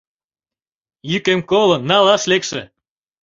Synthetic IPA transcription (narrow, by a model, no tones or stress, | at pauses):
jykemkolənːɑlɑʃlekʃĕ